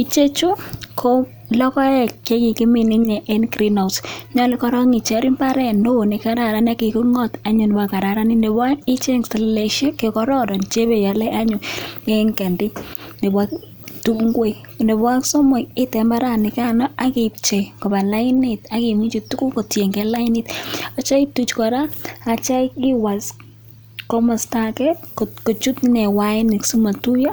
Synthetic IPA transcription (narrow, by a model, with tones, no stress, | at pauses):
i˦t͡ʃe˦t͡ʃu˦kʰo˦ | lɔ˦kɔ˦ɛ˦˨kke˦ki˨ki˦mi˨ni˦ɲɛ˨ʔɛ˦nkɾi˦na˨ʊsɲɔ˦li˦kɔ˦ɾɔ˦ŋi˨t͡ʃɛ˨˦ɾi˦mba˦ɾɛ˦˨ndo˦˨ni˨ka˦ɾa˨ɾa˦n˦a˦ki˨ku˦ŋɔ˦ta˦ɲʊ˨nɪ˨bwa˨ka˨ɾa˨ɾa˦ni˦nde˨ba˦nɪ˦t͡ʃe˦ŋsta˨lle˨ʃe˦ke˨kɔ˦ɾɔ˦dɔ˨nt͡ʃe˦be˨ja˨lɛ˦ʔa˦ɲʊ˨e˦ŋkɛ˨ndɪ˦ne˨ba˦ | tu˦kŋɡwe˦˨ | nde˨ba˦ksɔ˦mɔ˨ɪ˦tɛ˨mba˦ɾa˨nɪ˨ka˦nɔ˦a˦kɪpt͡ʃe˨kɔ˨ba˨la˦ɪ˦nɪ˨ta˨kɪ˨mi˦t͡ʃi˨tu˦ku˦ko˨tje˨ŋɡɛ˨˦la˦ɪ˦nɪ˦ta˦t͡ʃa˦ɪtu˨t͡ʃkɔ˨ɾa˦a˨t͡ʃa˦kɪ˦wa˨s | kɔ˦mɔ˨sta˦kɛ˦tko˨ko˨t͡ʃu˦tnɛ˨wa˦ɪ˦nɪ˨ksu˦ma˨tu˦jo˦